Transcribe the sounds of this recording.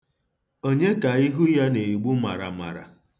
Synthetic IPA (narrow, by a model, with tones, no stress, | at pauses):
o˦ɲe˦ka˨i˦ɦu˦ja˦ne˨i˨ɡ͡bu˦ma̰˨ɾa̰˨ma̰˨ɾa̰˨